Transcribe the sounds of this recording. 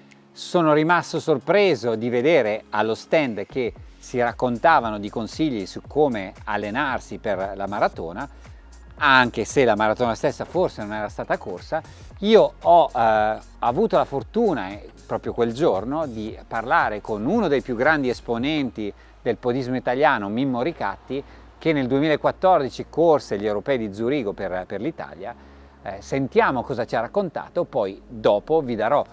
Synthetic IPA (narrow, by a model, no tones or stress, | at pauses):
soːnoɾimast̪osorpɾeːzod̪ived̪eːɾealːost̪ɛnd̪k̟esiɾakːont̪aːvanod̪ikonsiʎːisukʰːoːmealːenarsiperlamaɾat̪o̰ːna | aŋk̟eselːamaɾat̪oːnast̪esːaforsenonɛːɾast̪aːt̪akorsa | iːoɔ | avuːt̪olafort̪uːnapɾɔːpɾjokweld͡ʒornod̪iparlaːɾekonunod̪ejpjuɡɾand̪iesponɛnt̪i | d̪elpod̪izmoit̪aljaːnomimːoɾika̰t̪ːi | k̟enːeld̪uemilaekːwat̪ːɔrd̪it͡ʃikorseʎːewɾopɛːid̪id̪zuɾiːɡoperperlit̪a̰ːlja | sent̪jaːmokɔːzat͡ʃiarakːont̪a̰ːt̪opɔjd̪ɔːpovid̪aɾɔ